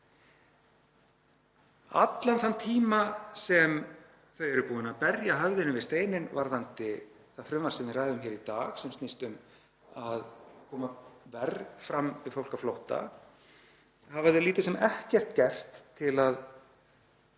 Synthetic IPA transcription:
a̰t̪lanθant̪ʰiːmasɛm | θœːɥjɾʏpuːɪnapɛɾjaɦœvðɪnʏvɪst̪eːjnɪnvaɾθant̪ɪ | θafɾʏmvaɾ̥sɛmvɪðraːjðʏmçɛːɾit̪aːɣsɛmst̪ist̪ʏm | aðkʰɔːmavɛɾfɾamːvɪfowl̥kaflowht̪a̰ | havaðɪliːt̪ɪsɛmɛhcɛr̥t̪cɛr̥t̪ʰːɪlað

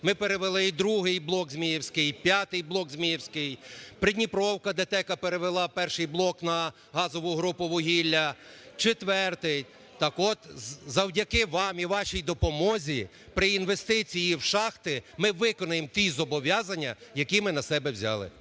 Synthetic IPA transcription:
mɪpeɾeʋelˠɪid̪ɾuɦɪjblˠɔkzmʲijiwsʲkɪjpʲjat̪ɪjblˠɔkzʲmʲijɛwsʲkɪjpɾɪdʲnʲipɾɔwkɐd̪et̪ɛkɐpeɾeʋelˠɑpɛrʃɪjblˠɔknɐ | ɦɑzɔʋʊɦɾupʊʋɔɦʲilʲːɐt͡ʃet̪ʋɛrt̪ɪj | t̪ɑkɔt̪zɐwdʲɐkɪʋɑmiʋɑʃijd̪ɔpɔmɔzʲi | pɾɪinʋest̪ɪt͡sʲijiwʃɑxt̪ɪmɪʋɪkɔnʊjemt̪ʲizɔbɔʋʲjɑzɐnʲːɐjɐkʲimɪnɐsɛbɛwzʲɑ̰lˠɪ̰

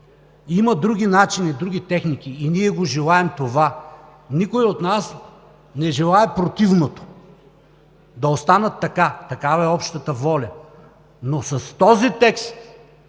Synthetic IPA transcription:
imɐd̪ɾuɡ̟ʲinat͡ʃinid̪ɾuɡʲit̪ɛxnikʲiːniɛɡoʒɛlˠaɛmt̪ova | nikojot̪nas | nɛʒɛlˠaɛpɾot̪ivnot̪o̥ | d̪ɐost̪anɐt̪ːɐkat̪ɐkavɐɛɔpʃt̪ət̪əvɔlʲɐ | nosɐst̪ɔzit̪ɛkst̪

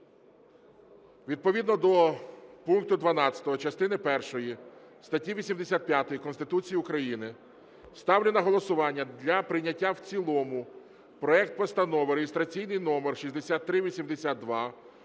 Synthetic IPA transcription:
ʋʲid̪̚pɔʋʲid̪nɔd̪ɔpunk̚t̪ʊd̪ʋɐnɑt͡sʲɐ̥t̪ɔɦɔt͡ʃɐst̪ɪnɪpɛrʃɔjist̪ɐtʲiʋʲisʲimd̪esʲat̪̚pjat̪ɔjikɔnst̪ɪt̪ut͡sʲijiʊkɾɐjinɪ | st̪ɑwlʲenɐɦɔlˠɔsʊʋɑnʲːɐd̪lʲɐpɾɪnʲːɐtʲːawt͡sʲilˠɔmʊ | pɾɔɛkt̪̚pɔst̪ɐnɔʋɪɾejest̪ɾɐt͡sʲijnɪjnɔmerʃizʲd̪esʲat̪ːɾɪʋʲisʲimd̪esʲat̪̚d̪ʋɑ

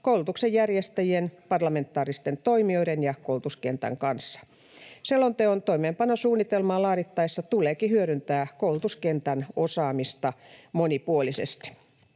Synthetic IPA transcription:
koulut̪uksejjærjest̪æjienpɑrlɑme̞nt̪ːˑɑːrist̪ent̪oimio̞idenjɑkoulut̪uskent̪æ̰ŋkɑnsːɑ̥ | selːont̪eont̪oimeːmpɑnosuːnːit̪elmɑːlɑːɾit̪ːɑisːɑt̪uleːkihyøɾynt̪æːkoulut̪uskent̪ænosɑːmist̪ɑmonipuolisḛst̪i̥

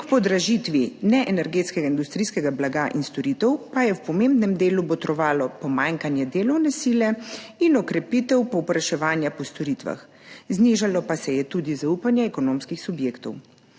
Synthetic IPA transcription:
kpɔd̪ɾaʒit̪ʋinɛʔɛnɛɾɡeːt̪skɛɡaind̪ust̪ɾijskɛɡablaɡaʔḭnst̪ɔɾit̪ɛwpajɛwpɔmeːmbnɛmd̪eːlubɔt̪ɾɔʋaːlɔpɔmaːŋkanjɛd̪eːlɔwnɛsilɛinɔkɾɛpit̪ɛwpɔwpɾaʃɛʋaːnjapɔst̪ɔɾit̪ʋa̰x | zniːʒalɔpasɛjɛt̪uːd̪izaupanjaɛkɔnoːmskixsubjeːkt̪ɔw

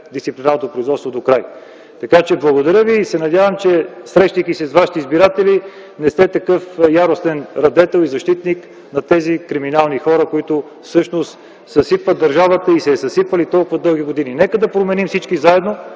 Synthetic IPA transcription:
d̪ist̪siplʲinaɾnot̪opɾoʊizvɔt̪st̪vod̪okɾaj | t̪ɐkat͡ʃɛblˠɐɡod̪ɐɾʲjəviːsɛnɐd̪ʲjavəmt͡ʃɛsɾɛʃt̪əjkisɛsvaʃi̥t̪ɛizbiɾat̪ɛli | nɛst̪ɛt̪ɐkɤfjaɾost̪ɛnɾɐd̪ɛt̪ɛlˠizɐʃt̪it̪nik | nɐt̪ɛzikɾiminalˠnixɔɾəkoit̪ʊ | fsɤʃnost̪ | sɐsipvɐd̪d̪ɐɾʒavət̪əisɛsɐsipvɐlit̪ɔlˠkʊvɐd̪ɤlˠɡ̟iɡod̪ininɛkəd̪ɐpɾomɛnimsit͡ʃkizaɛd̪no

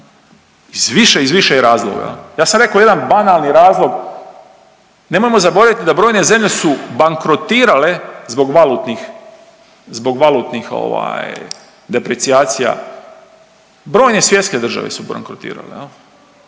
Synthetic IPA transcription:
izʋiʃeizʋiʃejeɾaːzloɡa̰jḛljaːsamɾe̞kaoje̞d̪anbanalˠniɾaːzlˠo̞ɡ | ne̞mo̞jemo̞zabo̞ɾaʋit̪id̪abɾojne̞ze̞mʎe̞subaŋkɾot̪iːɾale̞zbo̞ɡʋalut̪nix | zbo̞ɡʋalˠut̪nixo̞̰ʋa̰j | d̪e̞pɾet̪sijaːt̪sija̰ | bɾo̞ːjne̞sʋje̞t̪ske̞d̪r̩ʒa̰ʋḛsuba̰ŋkɾot̪ḭːɾa̰lejel

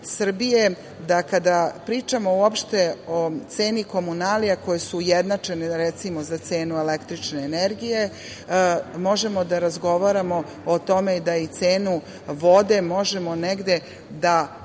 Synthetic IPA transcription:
sr̩bije̞ | d̪akad̪apɾiːt͡ʃamo̞uopʃt̪e̞ot̪se̞ːniko̞munaliako̞jesujed̪nat͡ʂe̞neɾet̪simo̞zat̪se̞ːnuele̞kt̪ɾit͡ʃne̞ːneɾɡije̞ | mo̞ʒe̞mo̞d̪aɾazɡo̞ʋaɾamo̞ | ot̪o̞me̞id̪ait̪seːnu | ʋo̞d̪e̞mo̞ʒe̞mo̞neɡd̪e̞ | d̪a

